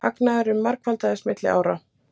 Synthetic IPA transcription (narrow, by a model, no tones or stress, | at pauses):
haknaðʏɾʏmːaɾkvalt̪aðɛsmɪt̪lɪ̰ʔa̰ːwɾa